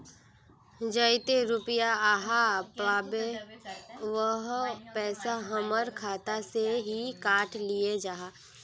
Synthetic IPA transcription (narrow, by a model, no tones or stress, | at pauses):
d͡ʒəɪt̪eɾʊpɪjaaːɦapaːbe | ʋəɦpɛːsaɦəməɾkʰaːt̪aseɦikaːʈʰlijed͡ʒaːɦa